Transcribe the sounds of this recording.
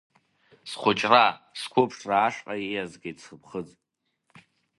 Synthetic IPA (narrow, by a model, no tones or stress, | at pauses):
sχʷʊt͡ʃʼraskʷʰʊpʰʂraːʂqʼaazɡajt͡sʰχəpʰχəd͡zʼ